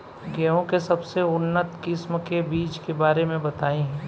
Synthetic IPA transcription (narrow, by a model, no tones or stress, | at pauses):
ɡɛːõkesɐbseʊnːət̪kɪsmkebiːt͡ʃkebaːɾemẽbɐt̪aːĩɦɛ̃ː